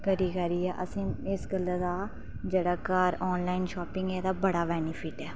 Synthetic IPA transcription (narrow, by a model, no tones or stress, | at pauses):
kəɾiːkəɾiːɛːʔə̰sĩːɪsɡəlːaːd̪aː | d͡ʒeːɽaːkaːɾɔːnlaːinʃɔːpɪŋɡɛːd̪aːbəɽaːʋɛːnɪpʰɪʈɛː